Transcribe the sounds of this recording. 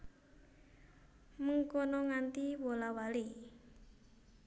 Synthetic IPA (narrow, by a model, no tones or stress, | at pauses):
məŋkonɔŋant̪iwolawali